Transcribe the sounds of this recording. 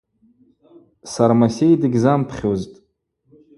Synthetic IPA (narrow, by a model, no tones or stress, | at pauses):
saɾmasʲejdɨɡʲzampʰχʲoztʼ